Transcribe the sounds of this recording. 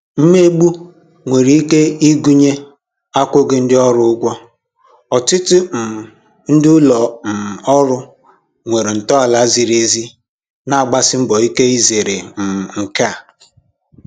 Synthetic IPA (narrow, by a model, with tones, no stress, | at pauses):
m̩˦me˦ɡ͡bu˦ | ŋʷe˨ɾi˨˦i˦ke˦i˦ɡu˦ɲe˦ | a˦kʷʊ˦ɡɪ˦n̩˦dɪ˦ɔ˦ɾʊ˦ʊ˦ɡʷɔ˦ | ɔ˨tɪ˦tʊ˦m̩˨ | n̩˦dɪ˦ʊ˦lɔ˨m̩˨ɔ˦ɾʊ˦ | ŋʷe˨ɾe˨n̩˨tɔ˦a˨la˦zi˨ɾe˦zi˦ | na˨a˨ɡ͡ba˦sɪ˦m̩˦bɔ˨i˦ke˦i˦ze˨ɾe˨m̩˨ŋ̩˨ka˦˨